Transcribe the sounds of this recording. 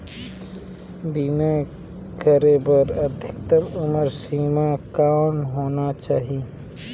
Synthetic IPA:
biːmẽ | kʰəɾebəɾɐd̪ʱɪk̚t̪əlʊməɾsiːmakaːnɦoːnat͡ʃaːɦi

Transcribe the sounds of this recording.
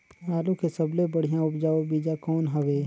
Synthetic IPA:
aːlukesəblebəɽ̤ijãʊpd͡ʒaːobiːd͡ʒakɔːnɦəʋeː

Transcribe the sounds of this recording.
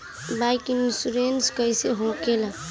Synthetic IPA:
bajkinsuɾenskəjseɦokelã

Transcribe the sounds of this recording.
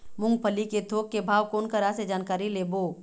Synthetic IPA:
mʊ̃ŋɡpʰəliket̪ʰoːkːebʱaːʋkoːnkəɾased͡ʒaːnkaːɾileːboː

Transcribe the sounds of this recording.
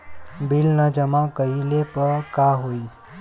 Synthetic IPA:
bɪlnəd͡ʒəmãkəilepəkaɦoi

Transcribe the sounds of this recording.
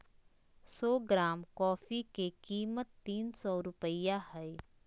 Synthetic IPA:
sɔːɡɾaːmkɔːfikekiːmət̪ːiːnsɔːɾʊpəjahɛe

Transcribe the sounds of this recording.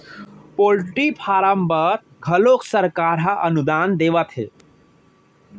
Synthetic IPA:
poːlʈipʰaːɾəmbəɾ | ɡʱɐloːksəɾkaːɾɦaʔɐnud̪aːnd̪eːʋət̪ɦḛː

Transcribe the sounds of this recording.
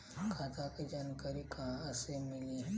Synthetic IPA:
kʰaːt̪ãkid͡ʒaːnkəɾikaɐsemɪli

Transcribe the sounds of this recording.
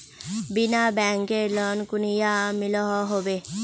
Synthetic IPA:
binabɛŋkeɾlɔnkunijamilɔɦɔɦobe

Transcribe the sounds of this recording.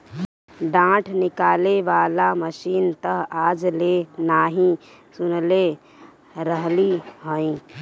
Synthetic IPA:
ɖãːʈʰnɪkaːleʋaːlaməʃiːnt̪əɦaːd͡ʒlenaːɦĩ | sʊnle | ɾəɦliɦəĩ

